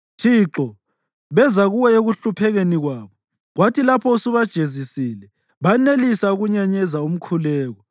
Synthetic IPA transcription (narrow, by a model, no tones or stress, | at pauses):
tʰiǁɔ | βɛzaɣuwɛeɣuɬupʰɛɣeniɣwaːβɔ | ɣwatʰilapʰɔusuβad̥ʒ̥ʱezisiːlɛ | βanelisauɣuɲaɲɛzaum̩kʰulɛːɣɔ